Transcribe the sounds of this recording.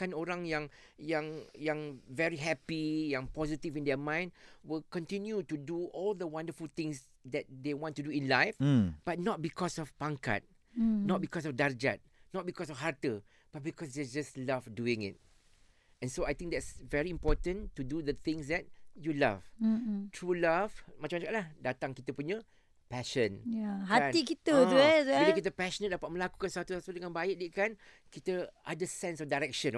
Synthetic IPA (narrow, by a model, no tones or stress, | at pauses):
kãnoɹãŋjãŋ | jãŋjãŋvɛɹiɦɛpijãŋpɔzitivĩndɛmãɪ̃ndwɪlkɔ̃ntĩnjutuduɔld̪əwãndəfult̪ɪ̃ŋs | d̪ɛt̚d̪ewɔ̃ntːuduĩnlaɪfb̥at̚nɔt̚bikʰɔsɔfpãŋka̰t̚ | nɔt̚bikɔs̬ɔfdaɹd͡ʒat̚nɔt̚bikɔsɔfɦaɹtə | b̥at̚bikɔsd̪ɛd͡ʒaslavduɪ̃ŋɪ̰t̚ | ɛ̃nsoajt̪ɪ̃ŋk̚d̪ɛtsvɛɹiĩmpɔtə̃ntudud̪ət̪ɪ̃ŋsd̪ɛt̚jula̰vtʰɹulavmat͡ʃãmat͡ʃãkaʔlahdat̪ãŋkit̪əpuɲə | pɛʃə̃njahaaikit̪əuɛsekit̪əpɛʃənədapat̚mə̃laku̥kansəwat̪usasədəŋãnbaiʔ̚diʔkan | kit̪əʔadəsɛ̃nsɔfdaɹɛk̚ʃə̃n